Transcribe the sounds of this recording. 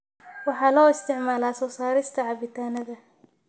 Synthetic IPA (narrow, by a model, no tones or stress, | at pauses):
wɑħɑːlɔːɪst̪ɪʕmaːlasɔwsaːɾɪst̪ʰɐʕɑbɪt̪ʰaːnɐðɐ